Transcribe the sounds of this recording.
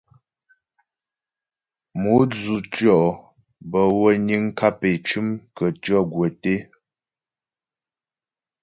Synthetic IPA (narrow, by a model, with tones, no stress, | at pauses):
mu˨˦d͡zu˨t͡ʃjɔ˦˨ʔ | bə˨wə˦ɲi˦ŋ˦kʰa˦pe˨t͡ʃʉ˦mkə˨t͡ʃjɔ˦˨ɡwə˨te˦